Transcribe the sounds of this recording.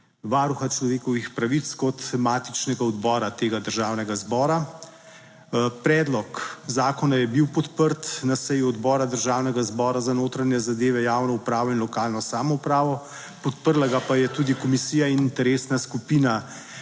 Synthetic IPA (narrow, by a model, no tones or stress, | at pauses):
ʋaːɾuxat͡ʃlɔʋeːkɔʋixpɾaʋit̪skɔt̪maːt̪i̥t͡ʃnɛɡaɔd̪bɔːɾat̪eːɡad̪əɾʒaːwnɛɡazbɔːɾa | pɾɛːd̪lɔkzaːkɔnajɛbiwpɔt̪pəɾt̪nasɛjuɔd̪bɔːɾad̪əɾʒaːwnɛɡazbɔːɾazanoːt̪ɾanjɛzad̪eːʋɛjaːwnɔupɾaːʋɔinlɔkaːlnɔsaːmɔupɾaːʋɔ | pɔt̪pəɾlaɡapajɛt̪uːd̪ikɔmisiːjainint̪ɛɾeːsnaskupiːna